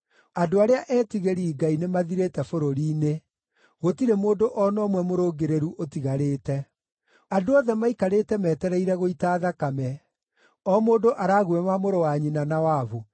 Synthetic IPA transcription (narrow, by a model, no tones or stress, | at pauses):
adoaɾeaʔɛːtiɣeɾiːɡainemaðiɾetɛfoɾoɾiːne | ɣotiɾemoːdoʔɔnɔːmwɛmoɾoːɡeɾeɾuʔotiɣaɾeːtɛ | adoɔðɛmaikaɾeːtɛmɛːtɛɾɛiɾɛɣoitaðakamɛ | ɔmoːdoʔaɾaːɣuɛmamoɾowaɲinanawavo